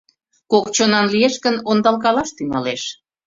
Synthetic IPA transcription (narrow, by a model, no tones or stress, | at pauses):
kokt͡ɕonɑnlieʃkənond̪ɑlkɑlɑʃt̪yŋɑleʃ